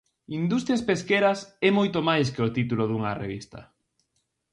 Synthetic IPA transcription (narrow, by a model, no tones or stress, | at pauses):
ind̪ust̪ɾjaspeskeɾɐsɛmojt̪omajs̬keot̪it̪uloðuŋɐrḛβist̪ɐ̰